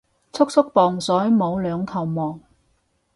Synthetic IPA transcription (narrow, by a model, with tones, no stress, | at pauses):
t͡sʰʊ˥k̚sʰʊ˥k̚pɔː˨ŋsɔː˨˥jmo˨˧wlœː˨˧ŋk̪ʰɐ˨˩wmɔː˨˩ŋ